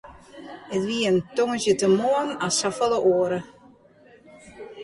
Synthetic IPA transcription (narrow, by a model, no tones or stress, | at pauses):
ətʋiəəntoŋəzjətəmoənasafɔlˠəʔoəɾə